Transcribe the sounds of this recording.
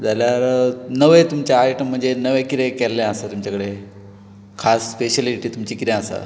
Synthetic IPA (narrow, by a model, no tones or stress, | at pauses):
d͡zaljaɾnəʋəjt̪umt͡ɕaːjʈəm̤ːəɳd͡zenəʋəkiɾekɛlːẽəsat̪umt͡ɕakəɽe | kʰasːpeɕəliʈit̪umt͡ɕikiɾẽasa̰